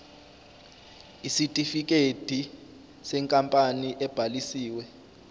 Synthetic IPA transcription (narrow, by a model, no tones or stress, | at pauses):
isitʼifik̬ʼed̥ʱi | sɛŋkʼampʼaniʔɛb̥ʱalisiːwɛ